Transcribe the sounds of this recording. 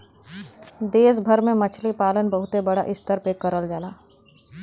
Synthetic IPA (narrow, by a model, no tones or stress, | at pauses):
d̪eːs̬bʱəɾmẽmɐt͡ʃʰlipaːlənbɐɦʊt̪ebɐɽa̰ʔɪst̪əɾpekɐɾəld͡ʒaːlaː